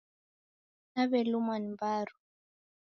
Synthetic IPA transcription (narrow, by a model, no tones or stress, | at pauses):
naβɛlumanimbaɾu̥